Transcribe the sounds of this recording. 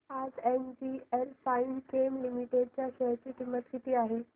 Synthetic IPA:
ad͡zend͡ʑielfainkemlimiʈeɖ̚t͡ɕjaɕɛjt͡ɕiːʈimːət̪kit̪iːaɦe

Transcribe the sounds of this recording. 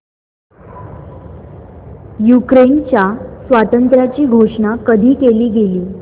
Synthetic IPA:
jukɾent͡ɕjasʋat̪ənt̪ɾjat͡ɕiːɡʱoʂɳakəd̪ʱiːkeliːɡeliː

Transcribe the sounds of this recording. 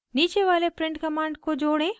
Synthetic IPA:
niːt͡ʃeʋaːlepɾɪ̃ɳʈkɐmãːɳɖkod͡ʒoːɽ̃ẽ

